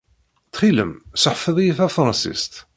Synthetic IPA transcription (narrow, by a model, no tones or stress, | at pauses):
θχiləmsəħfəðˤjiθæfɾˤɑsḭst̪